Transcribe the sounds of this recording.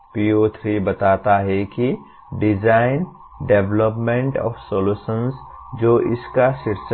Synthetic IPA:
piːoːt̪ʰɾibɐt̪aːt̪aɦɛki | ɖɪd͡ʒaːɪn | ɖeʋləpmẽɳʈɔ̰ːfsoluːsəns | d͡ʒoːʔɪskaʃɪɾs

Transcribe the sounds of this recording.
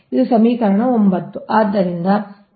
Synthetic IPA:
id̪usɐmiːkɐɾɐɳɐombɐt̪ːuʔaːd̪ːɐɾind̪ɐ

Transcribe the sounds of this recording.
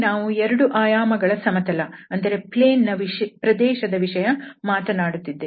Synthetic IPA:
naːʋuɛɾɐɽuʔaːjaːmɐɡɐɭɐsɐmɐt̪ɐlɐɐnd̪ɐɾe̞pleːnːɐʋipɾɐd̪ɛːʃɐd̪ɐʋiʂɐjɐmaːt̪ɐnaːɽut̪ːid̪ːe

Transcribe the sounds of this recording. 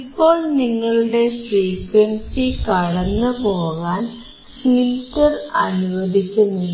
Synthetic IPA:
ipːo̞ːɭniŋːɐɭuɽe̞sriːkwɐnsikɐɽɐnːɨpo̞ːɣaːn | filtɐrɐnuʋɐd̪ʱikʲːunːi

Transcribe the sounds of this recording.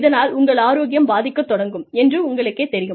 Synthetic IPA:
ðɐnaːlʊŋɡɐɭaːɾoːɣɪjɐmbaːðɪkːɐt̪ːɔɽɐŋɡɯmɛndrɯʊŋɡɐɭɯkːeːt̪ːɛɾɪjɯm

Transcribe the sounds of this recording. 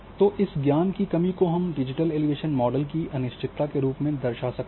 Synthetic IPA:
t̪oʔɪsɡjaːnkikɐmikoɦɐmɖɪd͡ʒɪʈəleːliʋeːʃənmɔːɖəlkiɐnɪʃt͡ʃɪt̪ːakeɾuːpmẽd̪ɐɾʃasɐk̪̚

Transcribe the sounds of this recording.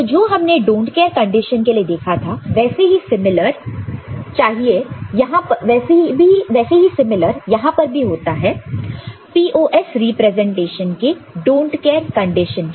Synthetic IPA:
t̪ɔd͡ʒoːɦɐmneɖõːɳʈkɛːɾkɐ̃ɳɖɪʃənkelied̪eːkʰat̪ʰaʋɛːseɦisɪmɪləɾ | t͡ʃaːɦiejɐɦãpɐʋɛːsebʱiʋɛːseɦisɪmɪləɾjɐɦãpɐɾbʱiɦoːt̪aɦɛː | piːʔoːʔɛsɾipɾɛzɛ̃ɳʈeːʃənkeɖõːɳʈkɛːɾkɐ̃ɳɖɪʃə̃n

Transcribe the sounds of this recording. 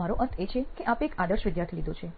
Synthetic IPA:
aɾoʔəɾt̪ʰet͡ʃʰekeʔapekad̪əɾʃʋɪd̪jaɾt̪ʰilid̪ot͡ʃʰe

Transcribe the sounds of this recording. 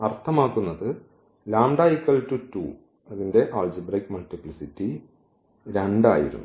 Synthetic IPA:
ɐrt̪ʰɐmaːkːunːɐðɨ | laːmɖaːjikːɐɭtutːṵː | ɐðinde̞ʔaːld͡ʑibrɐjkmɐltipɭisitːi | ɾeɳɖa̰ːjḭɾṵnːu

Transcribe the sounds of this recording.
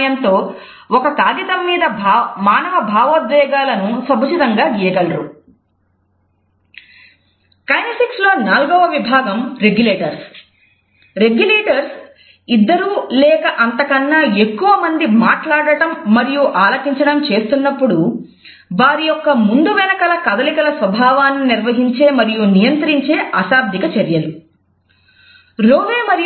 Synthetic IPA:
jɐnt̪o̞ː | ɔkɐt̪aːɡit̪ɐmːiːd̪ɐmaːnɐʋɐbʱaːʋoːd̪ʋɛːɡaːlɐnusɐbʱɐt͡ʃit̪ɐŋɡaːɡiːjɐɡɐlɐɾu | kɐjnɐsikslo̞ːnaːlɡɔːʋɐʋibʱaːɡɐmɾe̞ɡjuleːʈɐɾs | ɾe̞ɡjuleːʈɐɾs | id̪ːɐɾuːlɛːkɐʔɐnt̪ɐkɐnːaːe̞kːuʋɐmɐnd̪imaːʈlaːɽɐʈɐmːɐɾijuʔaːlɐkiɲt͡ʃɐɽɐmt͡ʃe̞ːst̪unːɐpːuɽu | ʋaːɾijɔkːɐmund̪uʋɛnɐkɐlɐkɐd̪ɐlikɐlɐsʋɐbʱaːʋaːnːiniɾʋɐɦiɲt͡ʃe̞ːmɐɾijunijɐnt̪ɾiɲt͡ʃe̞ːʔɐsaːb̚d̪ʱikɐt͡ʃɐɾjɐlu | ɾoːʋeːmɐɾi

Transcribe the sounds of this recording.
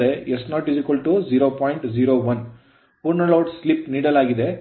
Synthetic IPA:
eesnaːʈ̚ɖisikɐlʈud͡ʒiːɾoːpɔːjiɳʈd͡ʒiːɾoːʋɐn | puɾnɐlɐwʈslipniːɽɐlaːɡid̪e̞

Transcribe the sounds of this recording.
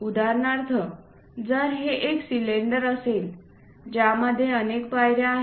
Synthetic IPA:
ud̪ʱaɾnaɾt̪ʰə | d͡zəɾɦeʔeksileɳɖəɾəsel | d͡ʑjaməd̪ʱːjeənekpajɾjaaɦ

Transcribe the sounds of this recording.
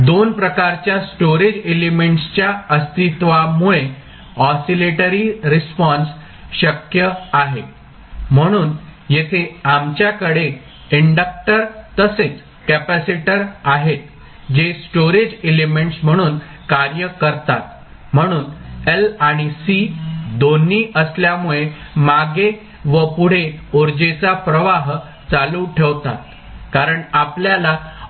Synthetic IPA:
d̪onpɾəkaɾt͡ɕjasʈoɾed͡ʑelemeɳʈst͡ɕjaəst̪it̪ʋamuɭe | ɔsileʈəɾiɾispɔns | ɕəkjəaɦe | m̤əɽ̃uːnjet̪ʰeamt͡ɕjakəɽe | iɳɖək̚ʈəɾt̪əset͡s | kæpæsiʈəɾaɦet̪ | d͡ʑesʈoɾed͡ʑelemeɳʈsm̤əɽ̃uːn | kaɾjəkəɾt̪at̪̚ | m̤əɽ̃uːnelaɽ̃isid̪onːiːəsljamuɭemaɡe | ʋəpuɽ̤eoɾd͡ʑet͡sapɾəʋaɦ | t͡saluʈʰeʋt̪at̪̚ | kaɾəɳapljala

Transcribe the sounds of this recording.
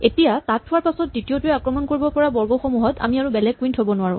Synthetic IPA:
etijatatʰːʊwaɹpasɔt̚ditiotuɹɛakɹɔmɔnkoɹibɔpɔɹabɔɹɡɔxɔmuɦɔta̰miaɹubɛlɛɡ̚kːuintʰɦobɔnʊaɹʊ̃

